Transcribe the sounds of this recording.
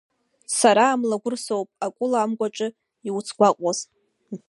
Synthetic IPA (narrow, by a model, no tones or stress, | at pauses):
saɾaːmlaɡʷʊrsowpʼakʷʼʊlaːmɡʷaʈ͡ʂʼɨ | iwut͡sʰɡʷaqʷʼaz